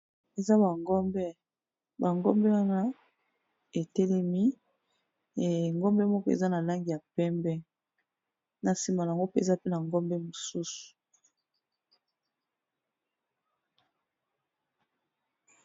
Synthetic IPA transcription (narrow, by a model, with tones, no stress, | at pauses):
e˨za˦ba˨ŋɡɔ˦mbɛ˦ | ba˨ŋɡɔ˦mbɛ˦wa˦na˦ | e˨tɛ˦lɛ˦mi˦˨ | ŋɡɔ˦mbɛ˦mɔ˦kɔ˦ḛ˨za˦na˨la˦ŋɡi˨ja˨pɛ˦mbɛ˦ | na˨si˨ma˨a˨ŋɡo˦pe˦ḛ˨za˦pe˦na˨ŋɡɔ˦mbɛ˦mo˨su˦su̥˨